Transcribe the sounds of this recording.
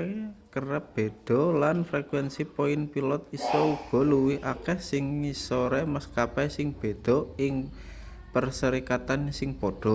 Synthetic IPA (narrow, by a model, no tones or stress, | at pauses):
kərɛp̚b̥e̤d̪̥ɔ̤lanfɾɛkwɛnsipoɪnpilɔt̪isɔuɡ̥ɔ̤luwiʔakɛhsɪŋːisɔɾɛmaskapɛsɪŋb̥e̤d̪̥ɔ̤ɪŋ | pərsəɾikat̪ansɪŋpoɖ̥ɔ̤